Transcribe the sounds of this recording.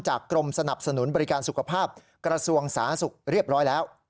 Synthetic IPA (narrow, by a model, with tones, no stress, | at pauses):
t͡ɕaː˨˩kːɾo˧msa˧na˨˩p̚sa˧nu˨˩˦nbɔ˧ɾi˦˥kaː˧nsu˨˩kʰa˧pʰaː˥˩p̚ | kɾa˧su˧əŋsaː˩˦˥nsu˨˩k̚ɾi˥˩əp̚ɾɔː˦˥jlɛː˦˥w